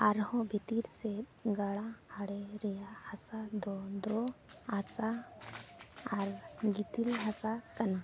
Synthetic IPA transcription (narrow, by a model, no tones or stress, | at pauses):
aɾhɔ̃bʱit̪iɾset̪ɡaɭaaɽeɾɛjahasad̪ɔd̪ɔasa | aɾɡit̪ilɦasakɐna